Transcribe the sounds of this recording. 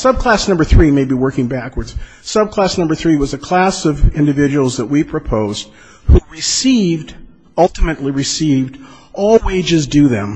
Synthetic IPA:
sʌb̚kʰl̥æsnʌ̃mbə˞θɹimeɪbiwɜ˞kɪ̃ŋbækwə˞dz̥ | sʌb̚kʰl̥æsnʌ̃mbə˞θɹiwʌzɨkʰl̥æsʌvɪ̃ndɨvɪd͡ʒɨwl̩ˠzðəʔ̚wipʰɹ̥ɨpʰoʊz̥d̥̚ | huɹɨsivd | ʌlˠtɨmɨtˡliɹɨsivd | ʔɔlˠweɪd͡ʒɨzdɨðɨ̰̃m

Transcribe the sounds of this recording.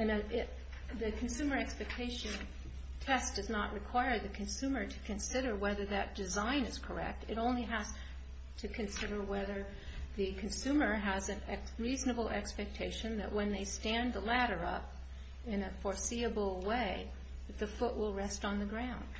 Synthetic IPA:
ɨ̃nɨ | ðɨkʰn̩sʉmə˞ɛkspɛk̚tʰeɪʃɨ̃n | tʰɛsd̥ʌznəʔ̚ɹɨkʰw̥aɪə˞ðɨkʰɨ̃nsʉ̃mə˞ɾɨ̥kʰɨ̃nsɪɾə˞wɛðə˞ðɨt̚d̥ɨzãɪ̃nɨz̥kʰə̰˞ɛ̰k̚tʰɨɾõʊ̃nliɦɨz̥ | tʰɨkʰɨ̃nsɪɾə˞wɛðə˞ | ðɨkʰɨ̃n̩sʉmə˞ɨzɨ̃nɛ | ɹiznɨbl̩ˠɛ̰kspɛk̚tʰeɪʃɨ̃nðɨ̰ʔwə̃nðeɪstæ̃nðəlæɾə˞ʌ̰p | ɪ̃nɨfɔɹsiɨbl̩ˠweɪ | ðɨt̪̚ðɨfʊʔwɪlˠɹɛstn̩ðɨɡɹãʊ̃nd̥

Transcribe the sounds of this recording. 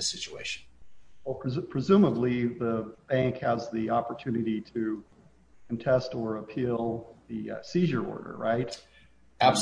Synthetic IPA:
ɨsɪt͡ʃueɪʃn̩wɛlˠpʰɹ̥pʰɹ̥ɨzʉ̃məbliðəb̥æ̃ŋkhɨzðiɑpə˞tʰʉnɨɾiɾɨ | kʰɨ̃n̩tʰɛstə˞əpʰilˠðɨʌsiʒə˞ɔ̰ɹɾə̰˞ɹaɪt̚ | æb̥s

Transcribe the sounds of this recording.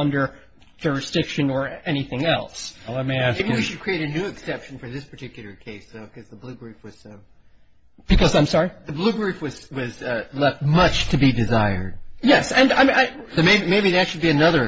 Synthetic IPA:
ʌ̃ndə̥˞ | d͡ʒʊɹɨsd̥ɪkʃɨ̃nə˞ɛñiθɪ̃ŋɛ̰lˠsʌt̚meɪæɪbĩwiʃɨd̚kʰɹ̥ieɪɾɨnʉɨksɛpʃn̩fə˞ðɪspʰə̥˞tʰɪkjl̩ˠə˞kʰeɪsoʊkʰʌzðəblʉɡɹifwʌz̥ʌ | b̥ɨkʰʌzãɪ̃msɑɹiðɨblʉɡɹifwʌz̥wʌzʌlɛft̚mʌt͡ʃtʰɨbidɨzaɪə̰˞d̥̚jɛsɨ̃naɪmaɪomeɪbimeɪbiðɨtʃɨd̚biɨnʌðə˞

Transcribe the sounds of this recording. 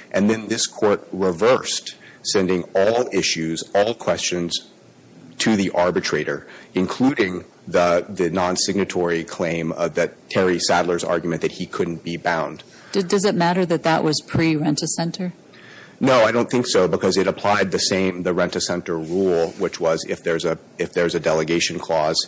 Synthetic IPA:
ʔɨ̃nðɨ̃nðɪskʰɔɹt̚ɹɪvɜ˞stsɛ̃ndɪ̃ŋɔlˠɪʃʉzɔlˠkʰw̥ɛst͡ʃɨ̃nz̥ | tʰɨðiʔɑɹbɨtʰɹ̥eɪɾə˞ɨ̃nkʰl̥ʉɾɪ̃ŋ | ðəðɨnɑ̃nsɪɡ̚nɨtʰɔɹikʰl̥ẽɪ̃mʌðɨtʰɛɹisædlˠə˞zɑ̰ɹɡjmɨ̃nðɨt̚hikʰʊdⁿn̩b̥ibãʊ̃nd̥ | ʌdʌzɨt̚mæɾə˞ðɨt̪̚ðəʔwʔʌz̥pʰɹ̥iɹɛ̃ntɨsɛ̃ntʰə˞ | noʊaɪɾõʊ̃nθɪ̃ŋksoʊbəkʰʌzɨɾəpʰl̥aɪd̪̚ðɨsẽɪ̃mðɨɹɛ̃ntɨsɛ̃ntə˞ɹulˠwɨt͡ʃwʌzɪ̰fðə˞zɨ | ɨfðə˞ʌzɨdɛlˠəɡeɪʃɨ̃n̩kʰl̥ɔz̥

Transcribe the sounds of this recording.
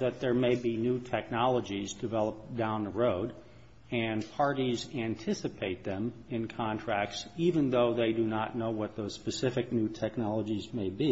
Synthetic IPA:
ðɨt̪̚ðə˞meɪbinutʰɛk̚nɑlˠəd͡ʒizdɨvɛlˠəp̚d̥ãʊ̃nðəɹoʊɾ | ɨ̃npʰɑɹɾizæ̃ntʰɪsɨpʰeɪt̪̚ðɨ̃mɨ̃nkʰɑ̃ntʰɹ̥æk̚tsivɨ̃nðoʊðeɪdɨnətⁿnoʊwʌt̪̚ðoʊz̥spɨsɪfɨk̚nʉtʰɛk̚nɑlˠəd͡ʒizmeɪbi

